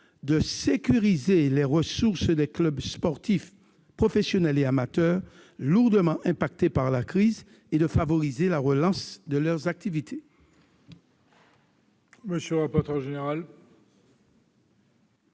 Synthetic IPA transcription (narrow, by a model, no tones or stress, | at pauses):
d̪əsekʲyʁizelɛʁəsuʁsd̪ɛklœbspɔʁt̪if | pχofesjɔnɛleamat̪œʁ | luʁd̪əmɑ̃ʔɛ̃pak̚t̪epaʁlakχiz | ed̪əfavɔʁizelaʁəlɑ̃sd̪əlœʁzak̚t̪ivit̪ʰe | məsjølʁapɔʁt̪œʁʒeneʁal